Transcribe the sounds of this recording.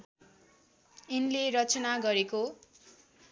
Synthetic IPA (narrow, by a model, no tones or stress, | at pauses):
inleɾʌt͡sʌnaɡʌɾeko